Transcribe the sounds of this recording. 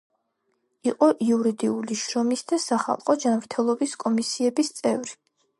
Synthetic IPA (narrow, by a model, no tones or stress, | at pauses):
iqʼɔʔiuɾid̪iuliʃɾɔmisd̪asaχa̰lˠqʼɔd͡ʒanvɾt̪ʰɛlˠɔbiskʼɔmisiɛbist̪sʼɛvɾi